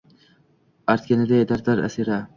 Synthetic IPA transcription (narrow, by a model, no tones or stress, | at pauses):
ɐɾt̪̚kʲenɐd̪eːd̪ɐɾd̪ɐɾɐ̰siɾa